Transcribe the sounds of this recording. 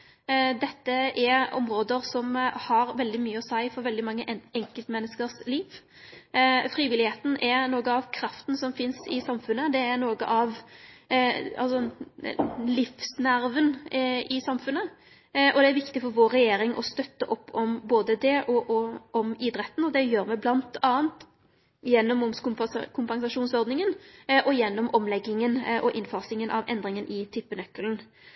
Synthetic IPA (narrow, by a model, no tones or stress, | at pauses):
d̪ɛt̪ːəɛɔ̰mɾoːd̪əɾsɔmhɑɾʋɛld̪ɪmyːəɔsæɪfɔɾʋɛld̪ɪmɑŋːəɛŋkəlt̪mɛnːəskəɾsliːʋ | fɾiːʋɪlɪheːt̪n̩ʔɛɾnoːɡəɑʋkʰɾɑft̪n̩sɔmfɪnsɪsɑmfʉnːəd̪ɛæɾnoːɡə̰ʔɑʋ | ɑ̰lsɔ | lɪfsnæɾʋənɪsɑmfʉnːə | ʔɔd̪ɛæɾʋɪkt̪ɪfɔɾʋoːɾːɛjeːɾɪŋʔɔ̰st̪œt̪ːəʔɔpːɔmboːd̪əd̪ɛʔɔʔɔʔɔmɪd̪ɾɛt̪ːn̩ɔd̪ɛjøːɾmɛblɑnt̪ɑːənt̪ | jɛnːɔmʊmkʊkʰʊmpɑŋsɑʂuːnsɔɾd̪nɪŋənʔɔjɛnːɔmɔmlɛɡːɪŋənʔɔʔɪnfɑʁsɪŋənʔɑʋʔɛ̰nd̪ɾɪŋənʔɪt̪ʰɪpːənœkːln̩